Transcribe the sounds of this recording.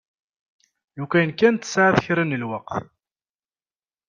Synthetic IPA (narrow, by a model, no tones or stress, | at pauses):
jukʷæjənkːænt̪ːə̥sʕaðəçɾənəlwəqθ